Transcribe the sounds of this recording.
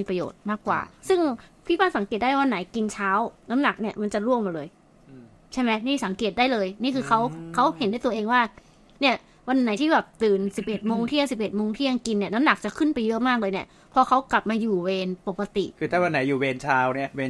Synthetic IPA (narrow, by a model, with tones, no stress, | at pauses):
miː˧pɾa˧jo̰ː˨˩t̪̚maː˥˩kːwa̰ː˨˩sɯ˥˩ŋpʰiː˦˥˩baː˥˩sa˩˦ŋke˨˩t̪̚daː˥˩waː˥˩nːa˨˩˦jki˧nt͡ɕʰaː˦˥wna˦˥mna˨˩k̚ni˥˩ɐma˧nt͡ɕa˨˩ɾu˥˩əmːaː˨˩lɤː˧j | t͡ɕʰa˥˩jmɛ˦˥niː˥˩sa˩˦ŋke˨˩t̪̚daː˥˩jlɤː˧jniː˥˩kʰɯː˧kʰa˦˥wkʰa˦˥whe˨˩˦ndt̪ːʔeː˧ŋwaː˥˩ | ni˥˩ɐ | wa˧nːa˩˦jt̪ʰiː˥˩bɛː˨˩p̚t̪ɯː˨˩nsi˨˩p̚ʔe˨˩t̪̚moː˧ŋt̪ʰi˥˩əŋsi˨˩p̚ʔe˨˩t̪̚moː˧ŋt̪ʰiː˥˩ja˧ŋki˧nːi˥˩ɐna˦˥mna˨˩k̚t͡ɕa˨˩kʰɯ˥˩npa˧jːɯ˦˥maː˥˩k̚ɤː˧jni˥˩ɐ | pʰɔ˧kʰa˦˥wkla˨˩p̚maː˧juː˨˩weː˧npo˨˩kːa˧t̪ḭ˨˩ʔkʰɯː˧t̪ʰaː˥˩wa˧nːa˩˦juː˨˩weː˧nt͡ɕʰaː˦˥wni˥˩ɐweː˧n